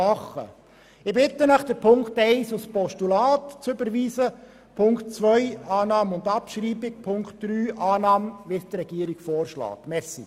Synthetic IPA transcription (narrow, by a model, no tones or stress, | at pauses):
ɑχːə̰ | ɪbɪt̪ːənəχd̥əɾpʰʊŋktɛɪsuspɔʃtulɑːtt͡søbəɾʋiːsə | pʰʊŋkt̚t͡sʋœjɑːnɑːməʊnd̪ɑpʃɾiːbɪk̚pʰʊŋkt̚d̥ɾyːʔɑːnɑːmʋisd̪əɾɛɡ̥iəɾiɡ̥fɔːrʃlɑ̰ːt̪mɛsḭ